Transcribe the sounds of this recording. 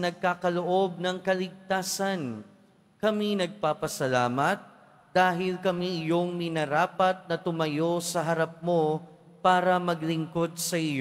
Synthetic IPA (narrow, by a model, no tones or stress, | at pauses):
nɐɡ̚kaːkɐloʔo̞b̚nɐŋkɐlɪɡ̚t̪aːsɐn | kɐminɐɡ̚paːpɐsɐlaːmɐt̪̚ | d̪̥aːɦɪlkɐmiʔɪjo̞ŋmɪnɐɾaːpɐt̪̚nɐt̪ʊmɐjo̞sɐɦɐɾɐp̚mo̞ | paːɾɐmɐɡlɪŋko̞d̪̚sɐʔɪj